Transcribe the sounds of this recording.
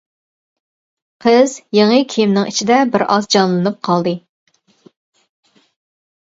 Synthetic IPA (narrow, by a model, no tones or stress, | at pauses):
qʰəz̥jeŋɨkʲʰijmnɪŋit͡ʃʰid̪ɛbɪɾɑzd͡ʒɑnlˠɨnɨp̚qʰɑlˠd̪ɨ